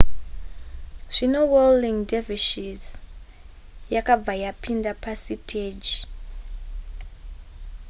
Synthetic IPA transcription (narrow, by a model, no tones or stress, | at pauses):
ʐ̥inoweliŋdeviʃiz | jakab͡vajapindapasitʰed͡ʒi